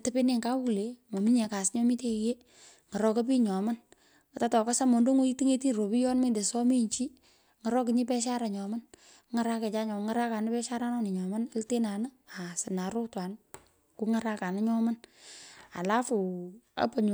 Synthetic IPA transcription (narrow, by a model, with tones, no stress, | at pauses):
tɪ˦pe˦nɪ˦˨ŋka˦u˨le˨˦mo˨mi˦ɲɛ˨ka˨sɲɔ˦mi˦te˦je˦ | ŋa˨ɾɔ˦ka˦p̬i˦ɲɔ˨ma˦n | ə˨ta˦tɔ˨ka˦sa˦mo˨ndo˦ŋo˦i˦ti˦ŋe˦ti˦ɾo˨pi˦jɔ˦nme˦˨nde˨sɔ˦mi˦ɲt͡ʃi˦ | ŋa˨ɾɔ˦k̬ɪ˦ɲɪ˦pɛ˦ʃa˦ɾa˨ɲɔ˨ma˦n | ŋa˨ɾa˦ke˨t͡ʃa˦ɲɔ˨ŋa˦ɾa˦ka˨nɪ˦pɛ˦ʃa˦ɾa˦nɔ˦nɪ˨ɲɔ˨ma˦n˦lte˦na˨nə˦a˨sɪ˨na˨ɾʊ˦twa˨n | ku˦ŋa˦ɾa˦ka˨nə˦ɲɔ˦ma˦n | a̰˨la˦fʊ˨a̰˦pə˨ɲ